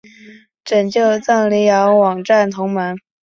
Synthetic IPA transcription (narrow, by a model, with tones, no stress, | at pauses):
ʈ͡ʂə˨˩nt͡ɕjo˥˧ʊt͡sɑ˥˩ŋli˧˥jɑ˧˥ʊwɑ˨˩ŋʈ͡ʂa˥˩nt̪ʰʊ˧˥ŋmə˧˥n